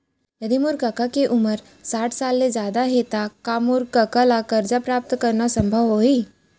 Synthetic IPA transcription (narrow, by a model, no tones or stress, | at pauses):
jəd̪imʊɾkɐkakeʔʊməɾ | saːʈʰsaːlmed͡ʒjaːd̪aɦet̪akamʊɾkɐkalakɐɾd͡ʒapɾaːp̚t̪kɐɾnasɐ̃mbʱəʋɦoiː